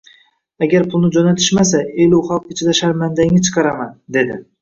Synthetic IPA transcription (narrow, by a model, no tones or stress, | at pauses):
aɡʲaɾpʰʊlˠnɪd͡ʒɒnat̪ʰɪ̥ʃmas̬aelʊχalˠqɪt͡ʃʰɪd̪aʃaɾmand̪aŋɪt͡ʃʰɨ̥qʰɑɾamand̪e̞d̪ɪ